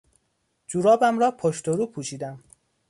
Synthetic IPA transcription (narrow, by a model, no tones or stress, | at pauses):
d͡ʒuɾɒːbæmɾɒːpʰoʃt̪oɾuːpʰuːʃiːd̪æm